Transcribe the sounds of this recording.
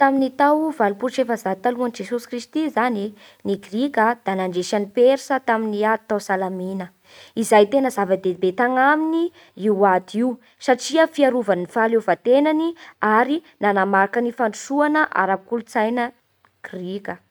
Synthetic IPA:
t̪aminit̪awvalupuɾʈ͡ʂefəzat̪aluand͡ʒesusi̥krist̪izani | niɡrikʲəd̪̥anaɳɖ͡ʐeʃanipeɾsət̪aminiat̪awsalaminə | izajt̪enəzavad̪ebet̪aŋamini | iwad̪iw | saʈ͡ʂiəfiaɾuvanifalevat̪enaniaɾinanamaɾakənifaɳɖ͡ʐusuanəʔa̰ɾabikulut͡sajnə | ɡ̥rikʲə

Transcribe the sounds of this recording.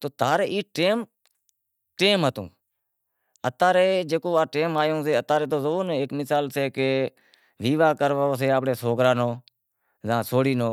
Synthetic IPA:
t̪oːt̪aːɾeːʔiːʈeːm | ʈeːmɦət̪ṵ̃ː | ət̪aːɾeːd͡ʒeːkoːaːʈeːmaːjõːseːət̪aːɾeːt̪̬oːzəʋoːnẽːɪkmɪsaːlseːkeː | ʋiːʋaːkəɾʋaoːs̬eːaːpɽeːsoːkɾaːnoː | zãːsoːɽiːnoː

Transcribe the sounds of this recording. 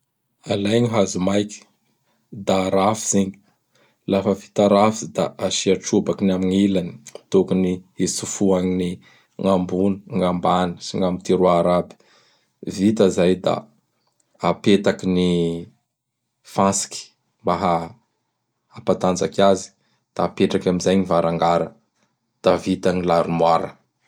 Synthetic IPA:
alajɲiɦazumajki̥ | d̪aɾafi̥ziɲi̥ | lafəvi̥t̪aɾafizd̪a̰aʃiaʈ͡ʂubakinamiŋilani̥t̪okunihisufuaŋini | ŋambuniŋambani̥siŋamit̪iɾuaɾabi̥ | vit̪əzajd̪a̰ | apet̪akini | fasi̥ki̥ | mbaɦa | pat̪and͡zakʲazi̥ | d̪̥aːpeʈ͡ʂakʲamizajŋivaɾaŋɡaɾə | d̪̥avit̪anilaɾumwaɾə̰

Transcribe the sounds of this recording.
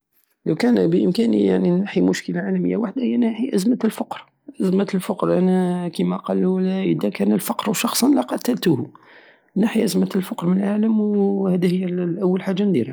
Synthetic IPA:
ləwkænbəʔəmkænḭja̰ʕninaħimʊʃkəlaʕalæməjːa̰waħd̪ahəjːænaħiʔæzmæt̪əlfɑqɾ | ʔəzmət̪lfɑqɾʔænækimæqɑlːulæʔəd̪ækænəlfɑqɾwʃɑxsˤɑnlɑqɑt̪ælt̪uh | naħiʔæzmət̪lfɑqɾmənəlʕaləmwhæd̪həjːælʔæwːəlħaʒːand̪iɾæ

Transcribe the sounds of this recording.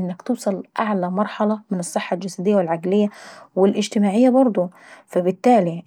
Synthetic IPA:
ʔɪnːɪkt̪uːsˤɑlʔaʕlæmɑɾˤħɑlɑmɪnɨsˤːɨħːɑld͡ʒasæd̪ɪjːawɪlʕaɡlɪjːawɪlʔɪd͡ʒt̪ɪmaːʕɪjːabɑɾˤd̪ˤu | fæbɪt̪ːaːli

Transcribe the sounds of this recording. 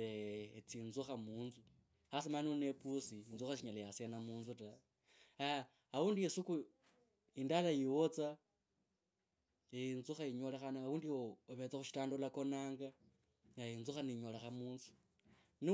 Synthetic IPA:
eet͡siːnzuxamuːnzu | asimanonepusiinzuxaʃiɲalejasenamuːnzuta | a | auːndiesuku | indalajiwot͡sa | inzuxaiɲo̞lexanaauːndiwoːβet͡saxuʃi̥taːndolako̞naːŋɡa | ŋɡainzuxaniɲo̞lexamuːnzu̥ | ni

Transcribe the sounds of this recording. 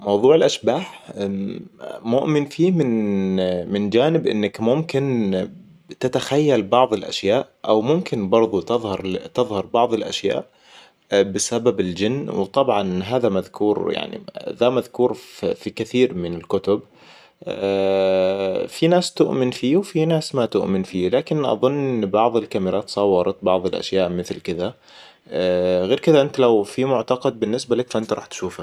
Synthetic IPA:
mɑwðˤuːʕɪlʔaʃbaːħ | mʊʔmɪnfiːmɪn | mɪnd͡ʒaːnɪbʔɪ̰nːakmʊmkɪn | t̪ɪt̪axajːalbɑʕðˤɪlʔa̰ʃjaːʔʔawmʊmkɪnbɑɾˤðˤut̪ɪðˤhɑɾˤt̪ɪðˤhɑɾˤbɑʕðˤɨlʔa̰ʃja̰ːʔ | bɪsababɪld͡ʒɪnːwt̪ˤɑbʕɑnɦaːðamaðkʰuːɾja̰ʕnḭðamaðkuːɾfikɪθiːɾmɪnɪlkʊt̪ʊb | finaːst̪ʊʔmɪnfiːwfinaːsmat̪ʊʔmɪnfiːlaːkɪnʔɑ̰ðˤʊnːʔɪnbɑʕðˤɪlkamɪɾˤʔaːt̪sˤɑwːɑɾˤɑt̪̚bɑʕðˤɪlʔa̰ʃjaːʔmɪθlkɪða | ɣeːɾkɪðaʔɪnt̪alawfimʊʕt̪ɑqɑd̪̚bɪnːɪsbalakfʔɪnt̪aɾɑ̰ːħt̪ʃuːfa

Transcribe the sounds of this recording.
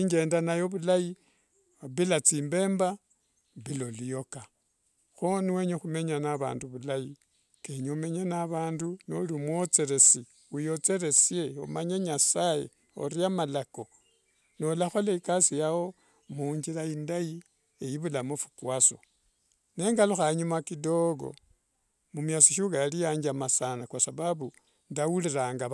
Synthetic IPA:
iɲɡe̞ːndanajo̞βulai | oβilat͡siːmbe̞ːmba | βilo̞lijo̞ka | xoniwe̞ɲexume̞ɲanaβa̰ːnduβulaji | keɲome̞ɲenaβaːnduno̰limwot͡se̞ɾe̞si | ujo̞t͡se̞ɾe̞sje̞o̰maɲeɲasajḛ | o̰ɾiamalako̞ | no̞laxo̞leikasijawo̞ | muɲd͡ʒilaindaji | ejiβulamofu̥kwaso̞̰ | ne̞ːŋɡaluxaɲumakido̞ɡo̰ | mumjat͡siʃukajalijaːɲd͡ʒamasanakwasaβaβu | ndawuliɾaːŋɡa

